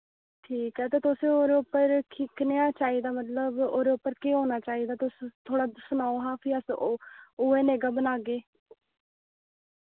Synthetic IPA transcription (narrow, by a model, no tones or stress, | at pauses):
ʈʰiːkɦɛːt̪eːt̪ʊsẽːoːɾeʊpːəɾkʰɪknejaːt͡ʃaːiːd̪aːmət̪ləboːɾeʊpːəɾkeːɦoːnaːt͡ʃaːiːd̪aːt̪ʊst̪ʰoːɽaːd̪snaːoɦãːpʰiːəs | oːeːneːɡaːbənaːɡeː